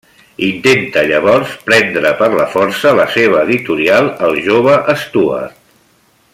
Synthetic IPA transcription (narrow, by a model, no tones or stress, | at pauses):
int̪ent̪əʎəβɔɾspɾɛnd̪ɾəpəɾləfɔɾsələseβ̞əːðit̪uɾialˠəlˠʒoβ̞əʔəst̪uə̰t̪̚